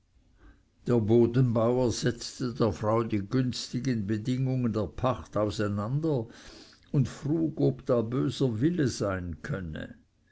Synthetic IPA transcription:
d̥eːɐboːdənbaʊɐz̥ɛt͡stədeːɐfʁaʊdiːɡʏnstɪɡənbədɪŋʊŋəndeːɐpʰaχtaʊsæɪnandɐ | ʊntfruːɡobd̥aːbøːzɐvɪləz̥aɪnkʰœnə̰

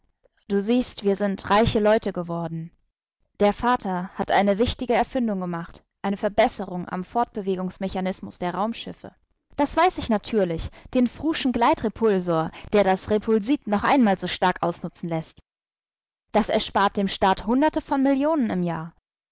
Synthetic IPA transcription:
d̥uːziːstv̥iːɐzɪntʁaɪçəlɔʏtəɡəvɔɐdn̩ | d̥eːɐfaːtʰɐhatʔa̰ɪnəvɪçtɪɡəɛɐfɪndʊŋɡəmaχt | ʔaɪnəfɛɐbɛsəʁʊŋʔa̰mfɔɐt̚b̥əveːɡʊŋsmeçanɪsmʊsd̥eːɐʁaʊmʃɪfə̰ | d̥asv̥aɪsɪçnatʰyːɐlɪçd̥eːnfʁ̥uːʃn̩ɡlaɪtʁ̥epʰʊlzoːɐd̥eːɐdasʁepʰʊlziːtnɔχʔaɪnmaːlzoːʃtaɐkʔa̰ʊsnʊt͡sn̩lɛst | d̥asɛɐʃpaːɐt̚d̥eːmʃtaːthʊndɐtəfɔnmɪljoːnənɪmjaːɐ

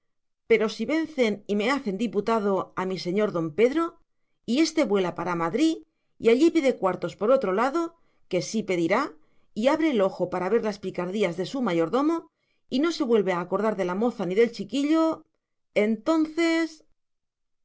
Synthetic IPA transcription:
pe̞ɾo̞siβe̞n̟θe̞nime̞aθe̞nd̪iput̪að̞o̞amise̞ɲo̞ɾðo̞mpe̞ðɾo̞ | ie̞st̪e̞βwe̞lapaɾamaðɾi | iaʎipiðe̞kwaɾt̪o̞spo̞ɾo̞t̪ɾo̞laðo̞ | ke̞sipe̞ðiɾa | iaβ̞ɾe̞ːlo̞xo̞paɾaβ̞e̞ɾlaspikaɾðiazðe̞sumaʝo̞ɾðo̞mo̞ | ino̞se̞βwe̞lβe̞aːko̞ɾðaɾðe̞lamo̞θaniðe̞lt͡ʃikiʎo̞ | e̞nt̪o̞nθe̞s

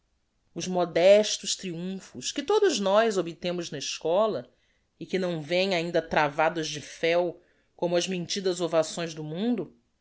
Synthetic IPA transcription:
ʊzmɔd̪ɛʃt̪ʊʃt̪ɾiũfʊʃkɪt̪od̪ʊznɔjzobit̪ẽmʊznɐɪʃkɔlɐ | ɪkɪnɐ̃w̃vẽj̃aĩnd̪ɐt̪ɾavad̪ɐzd͡ʒɪfɛw | kõmʊɐzmẽnt͡ʃid̪ɐzovasõj̃zd̪ʊmũnd̪ʊ

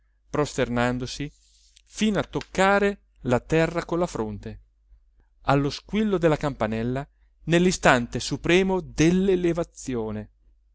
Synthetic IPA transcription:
pɾost̪ernand̪osi | fiːnoat̪ːokːaːɾe | lat̪ɛrːakonlːafɾont̪e | alːoskwilːod̪elːakampanɛlːa | nelːist̪ant̪esupɾɛːmod̪elːelevat̪sːjoːne

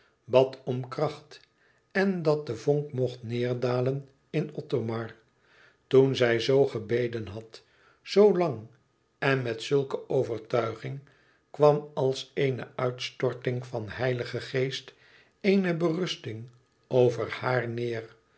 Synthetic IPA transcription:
bɑtɔmkrɑχt | ɛndɑt̚dəvɔŋkmɔχtnɪːɹdaːlən | ɪnɔtomɑɹ | tunzɛjzowχəbejdənɦɑt | zowlɑŋ | ɛnmɛtsɵlˠkəʔoʊvəɹtœɥχɪŋ | kʋɑmɑlˠseɪnəʔœɥtstɔɹtɪŋfɑnhɛjləχəχeɪjst | ejnəbərʏstɪŋ | owvərhaːɹnɪːr

